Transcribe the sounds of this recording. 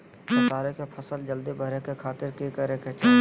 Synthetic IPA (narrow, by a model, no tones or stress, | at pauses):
ɐsaːɾekepʰəsəld͡ʒəld̪ibəɾẽkekʰaːt̪ɪɾkekəɾẽket͡ʃaː